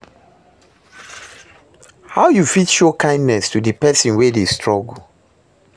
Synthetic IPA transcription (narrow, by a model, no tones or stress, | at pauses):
haʊjufitʃokãɪ̃ndnɛstudəpɛsĩnwɛdestɹɔɡu